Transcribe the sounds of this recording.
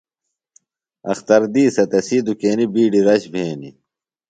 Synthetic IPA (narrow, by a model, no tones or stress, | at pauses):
ɐ̰xt̪ɐɾd̪iːsɐt̪ɐsiːd̪ukeːnibiːɖiɾɐɕbʱeːni